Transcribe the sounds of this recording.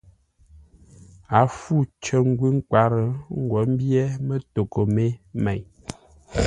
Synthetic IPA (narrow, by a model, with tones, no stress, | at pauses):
a˨˦fu˦˨t͡ʃə˦ŋ̩˦ɡwi˦ŋ˦kwa˨˦ɾə˨ŋ̩˦ɡwɔ˨˦m̩˦bjɛ˦mə˦to˨ko˨me˦mɛ˨j